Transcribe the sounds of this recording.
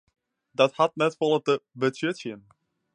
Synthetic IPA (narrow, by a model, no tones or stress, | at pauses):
dɑthɑt̚nɛtfɔlˠədəbətøtjən